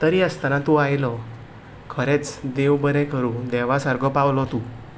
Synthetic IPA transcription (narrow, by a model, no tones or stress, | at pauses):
t̪əɾiəst̪anat̪uajlɔ | kʰəɾet͡sd̪eʋbəɾɛ̃kəɾũd̪ɛʋasəɾɡɔpawlɔt̪u